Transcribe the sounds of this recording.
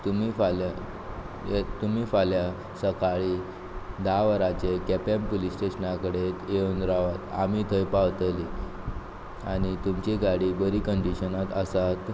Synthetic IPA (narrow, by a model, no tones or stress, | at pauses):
t̪umiːfala | et̪umiːfalja | səkaɭiː | d̪aʋəɾat͡ɕekɛpempolisʈeɕənakəɽet̪eond̪ɾaʋat̪a̰mit̪ʰəjpaʋt̪əli | aɽ̃it̪umt͡ɕiɡaɽiːbəɾiːkəɳɖiɕənat̪əsat̪